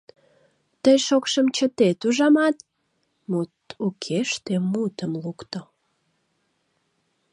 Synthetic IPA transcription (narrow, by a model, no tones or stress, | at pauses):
t̪əjʃokʃəmt͡ɕət̪et̪uʒɑmɑt̪ | mut̪ukʰeʃt̪emut̪əmlukt̪o